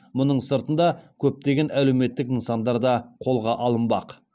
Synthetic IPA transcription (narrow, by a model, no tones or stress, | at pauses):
mʊnəɴsəɾt̪ənd̪ɑkʲʰɵp̚t̪e̞ɡʲe̞næle̞wme̞t̪ːɪkənsɑnd̪ɑɾd̪ɑqʰo̞lˠʁɑʔɑlˠəmbɑq